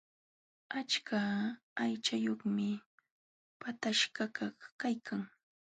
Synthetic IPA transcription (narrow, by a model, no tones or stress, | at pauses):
at͡ʃkaajt͡ʃajoχmɪ | pat̪aʃɢakaχkajkʰaŋ